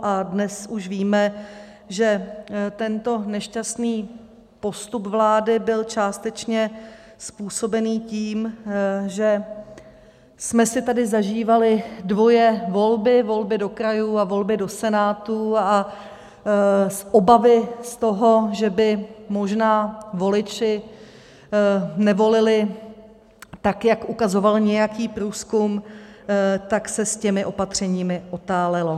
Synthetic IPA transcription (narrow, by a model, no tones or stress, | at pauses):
ʔadnɛsuʃviːmɛ | ʒɛt̪ɛnt̪o̞nɛʃcast̪niː | po̞st̪upvlaːdɪbɪlt͡ʃaːst̪ɛt͡ʃɲɛ | spuːso̞bɛniːciːmʒɛ | smɛsɪt̪adɪzaʒiːvalɪdvo̞jɛvo̞lbɪvo̞lbɪdo̞kɾajuavo̞lbɪdo̞sɛnaːt̪ua | sʔo̞bavɪst̪o̞ɦo̞ʒɛbɪmo̞ʒnaːvo̞lɪt͡ʃɪ | nɛvo̞lɪlɪ | t̪akjakʔukazo̞valɲɛjakiːpɾuːskum | t̪aksɛscɛmɪʔo̞pat̪r̝̥ɛɲiːmɪʔo̞t̪aːlɛlo̞